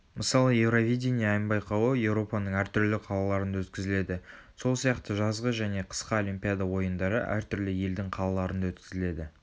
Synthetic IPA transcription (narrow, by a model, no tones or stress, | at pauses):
məsɑlˠəje̞vɾovʲijdʲenʲijɑːjəmbɑjqɑwəje̞wɾo̞pɑnəɴæɾt̪ʰʏɾlɪqʰɑlˠɑlˠɑɾənd̪ɑwɵt̪kʲɪzɪle̞d̪ɪ | so̞lˠsijɑqt̪əʒɑzʁəʒæne̞qʰə̥sqɑo̞lʲˠimʲpʲijad̪awo̞jənd̪ɑɾə̰ʔæ̰ɾt̪ʰʏɾlɪje̞ld̪ɪŋqʰɑlˠɑlˠɑɾənd̪ɑwɵt̪kʲɪzɪle̞d̪ɪ